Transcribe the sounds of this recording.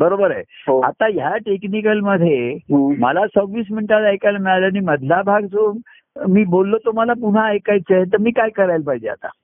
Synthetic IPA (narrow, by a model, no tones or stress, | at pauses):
bəɾobəɾa̰jɦoa̰t̪ajaʈeknikəlməd̪ʱːjeməlasəɡʋiːs̬miɳʈalajkalamiɭalaɽ̃iməd̪ʱlabʱaɡt͡so | miːbolːot̪om̤alapuɽ̤aːjkajt͡səɦet̪̬əɾmiːkajkəɾajlpaɦid͡ʑea̰t̪a̰